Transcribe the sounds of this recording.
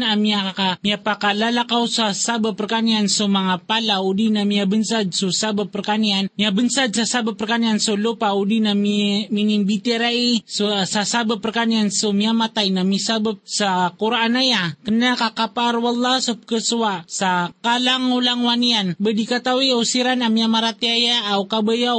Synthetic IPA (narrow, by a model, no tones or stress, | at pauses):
namiakamiapakalalakausasabapːərkaniansomaŋapalaudinamiabənsad̪̚susabapːərkanianmiabənsad̪̚sasabapːərkaniansolopaudinamimininbit̪eɾaisosasabəpərkaniansomiamat̪ainamisabəp̚sakuɾanajakənːakakapaɾwalːasəp̚kəsuwasakalaŋulaŋwanianbədikat̪awiusiɾanamiamaɾat̪iajaːukabəja